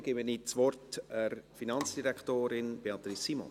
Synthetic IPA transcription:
ɡ̥ɪːbənit͡sʋɔrtɛrfinɑnt͡sd̥iɾɛktoːɾɪnb̥eɑt̪ɾisːimɔ̰n

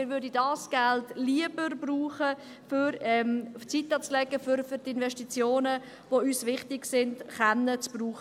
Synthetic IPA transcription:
ɪɾʋʏɾdidɑːsɡ̥ɛltliəbərbruːχə | fʏɾɛmt͡sitɑt͡slɛɡəfʏɾfʏɾtɪnvɛʃtit͡sjoːnə | voyːsvɪχtɪɡsɪndχanːət͡sb̥ruːχ

